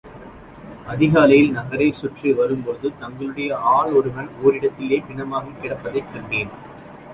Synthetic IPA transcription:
ɐðɪɣaːlɐjɪlnɐɣɐɾɐɪsʊʈriʋɐɾɯmpoðɯt̪ɐŋɡɐɭɯɽɐjɐʔaːɭɔɾɯʋɐnoːɾɪɽɐt̪ːɪleːk̪ɪɳɐmaːɣɐkːɪɽɐpːɐðɐɪkːɐɳɖeːn

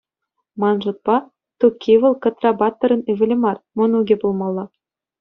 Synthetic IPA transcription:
mɑnʐɤ̆t̪̚pɑ | t̪ukʲʰːiʋɤ̆lˠkɤ̆t̪rɑbɑt̪ːɤ̆ɾɤ̆nyʋʲɘ̆lʲĕmɑrmunuɡʲebulˠmɑlˠːɑ

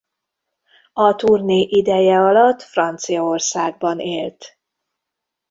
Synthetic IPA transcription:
ɒt̪urniʔid̪ɛjɛɒlɒt̪ːfrɒnt̪sijɒorsaːɡ̚bɒneːlt̪

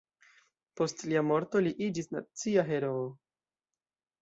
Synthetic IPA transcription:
po̞stliamo̞ɾto̞liʔid͡ʒisna̰t͡siaɦe̞ɾo̞ː

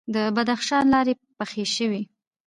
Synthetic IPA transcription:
d̪əbad̪axʃɑnlɑɾe | paxeʃəwi

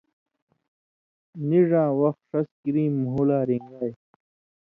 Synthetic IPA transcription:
niʐãːwɐxt̪ʂɐskiɾĩːmuɦulaːɾiŋɡaːj

